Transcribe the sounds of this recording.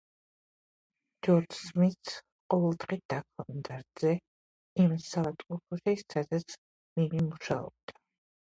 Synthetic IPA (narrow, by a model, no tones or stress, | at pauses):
d͡ʒɔɾd͡ʒsmit̪sʰ | qʼɔvɛlˠd̪ʁid̪̥akʰɔnd̪aɾd̪z̥ɛ | imsavat̪ʼqʼɔpʰɔʃisad̪at̪sʰ | mimimuʃaɔ̰b̥̚d̪a